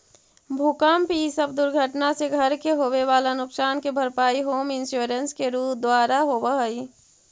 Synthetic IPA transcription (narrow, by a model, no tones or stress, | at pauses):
bʱukaːmpisəbd̪ʊɾɡʱəʈnaseɡʱəɾkeɦoːweʋaːlanʊksaːnkebʱəɾpaːiɦoːmɪnsjoːɾənskeɾuːpd̪waːɾaɦoːbəɦəi